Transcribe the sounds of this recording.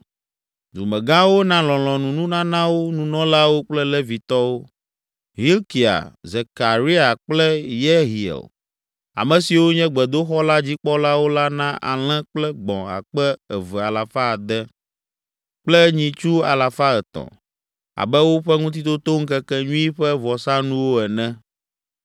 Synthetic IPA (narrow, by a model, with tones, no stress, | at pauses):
d̪u˨mɛ̃˨ɡã˦wo˦nã˦lɔ̃˨l̃ɔ̃˨nũ˨nũ˦nã˦nã˦wo˦nũ˨nɔ̃˦la˦wo˦k͡plɛ˦lɛ˦vi˨t̪ɔ˦wo˦ | ɦi˦lki˨a̰˨ze˨ka˨ɾi˦a˨k͡plɛ˦jɛ˦ɦi˨ɛ̰˨l | a̰˨mɛ̃˨si˨wo˦ɲɛ̃˦ɡ͡bɛ˨d̪o˦xɔ˦la˦d͡ʑi˦k͡pɔ˦la˦wo˦la˦nã˦ʔa̰˨l̃ɛ̃˦k͡plɛ˦ɡ͡bɔ̰̃˨a̰˨k͡pɛ˦ɛ˨vɛ˨a˨la˨fa˦˨d̪ɛ˦ | k͡plɛ˦ɲĩ˨t͡ʃu˦a˨la˨fa˦ɛ˨t̪ɔ̰̃˨ | a̰˨bɛ˦wo˦ɸɛ˦ŋũ˦t̪̬i˦t̪o˦t̪o˦ŋ̩˦kɛ˦kɛ˦ɲũ˦i˦ɸɛ˦vɔ˨sã˦nũ˦wo˦ɛ˨nɛ̃˦